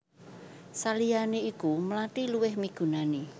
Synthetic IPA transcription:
salijaneikumlaʈiluwɪhmiɡ̥ṳnane

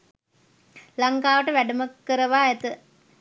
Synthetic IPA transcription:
laŋkaːʋəʈəʋæɖəməkːəɾəʋaːæt̪ə

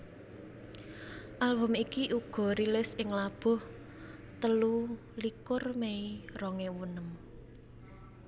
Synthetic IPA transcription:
ʔalbɔ̤mikiʔuɡ̥ɔ̤ɾilɪsɪŋlab̥ʊ̤h | t̪əlu | likʊrmeirɔŋewunəm

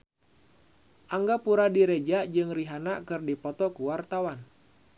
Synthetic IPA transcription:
ʔaŋɡapuɾadiɾed͡ʒad͡ʒɨŋriɦanakɨrdipɔt̪ɔkuwart̪awan

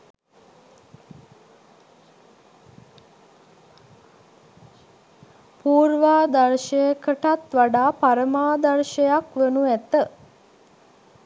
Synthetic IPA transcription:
puːɾʋaːd̪aɾʃəjəkəʈat̪ʋaɖaːpaɾəmaːd̪aɾʃəjakʋenuæt̪ə

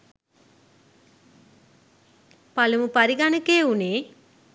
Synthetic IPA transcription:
palumupaɾiɡanəkeːuneː

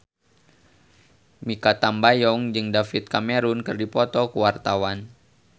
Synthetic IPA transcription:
mikat̪ambajɔŋd͡ʒɨŋdafit̪̚kameɾunkɨrdipɔt̪ɔkuwart̪awan

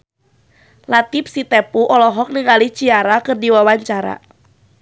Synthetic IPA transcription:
lat̪ip̚sit̪ɛpuʔɔlɔɦɔk̚nɨŋalit͡ʃiaɾakɨrdiwawaɲt͡ʃaɾa̰

